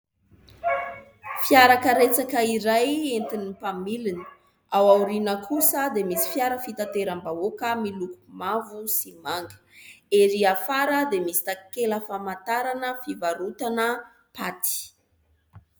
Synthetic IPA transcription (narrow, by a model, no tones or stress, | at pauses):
fjaɾakəɾet͡sakəiɾajent̪inipamilini̥ | awawɾinəkʰusəd̪emisi̥fjaɾəfit̪at̪eɾambaokəmilukumavusimaŋɡə̥eɾiafaɾəd̪emisi̥t̪akeləfamat̪aɾanəfivaɾut̪anə | pat̪i̥